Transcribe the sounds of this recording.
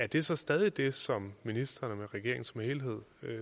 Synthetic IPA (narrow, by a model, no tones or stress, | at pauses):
æd̥e̝sɒ̽sd̥ɛð̞ˠid̥e̝sɒ̽mːinisd̥ɐːnmeʁɛɡ̥e̝ɐ̰eŋn̩sɒ̽mhe̝ːlɦe̝ð̞̰ˠ